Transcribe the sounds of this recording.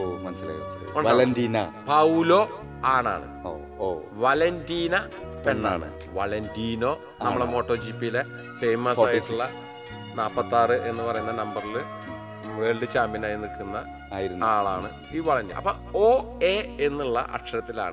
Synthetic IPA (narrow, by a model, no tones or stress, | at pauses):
omɐnsla̰jɐḭɐɳɐlɐnd̪iːnɐpɐulo̞ː | aːɳa̰ːɳɨ̰o | oʋɐlentiːnɐ | pe̞ɳːa̰ːɳɨ̰ | ʋɐlentiːno̞ː | nɐmːɐɭemo̞ːʈːo̞ːd͡ʑiːpːijle̞ | fe̞jmɐsɐjsiɭːɐ | naːpːɐt̪ːaːrɨʔe̞nːɨpɐrɐjunːɐnɐmbɐrilɨ | ʋeːɭɖɨt͡ɕaːmbinaːjinikːunːɐ | aːjiɾunːaːɭaːɳɨ | iːʋɐɭɐndḭːʔɐ̰pːo̰ | oːeenːuɭːɐ̰ʔɐ̰ʈʂɐɾɐt̪ːila̰ːɳɨ